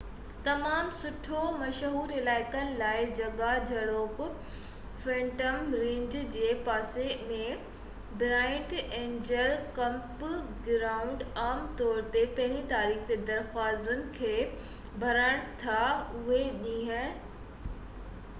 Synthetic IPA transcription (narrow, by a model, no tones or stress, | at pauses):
t̪ɐmaːmsʊʈʰomɐʃɦuːɾɪlaːɪkənɪ̆laːɪd͡ʑɐɡad͡ʑʱɐɽoːk | fẽːʈəmɾɪ̃ɲd͡ʑd͡ʑeːpaːsemẽ | bɾaːɪ̃ʈẽːɲd͡ʑəlkɐ̃mpɡɾaːʊ̃ɳɖaːmt̪ɔːɾt̪epɐ̃ɦɪ̃lit̪aːɾiːxd̪ed̪ɐɾxwaːzʊnɪ̆kʰeː | bʱɐɾəɽ̃t̪ʰaʊɦeɗĩːɦə̃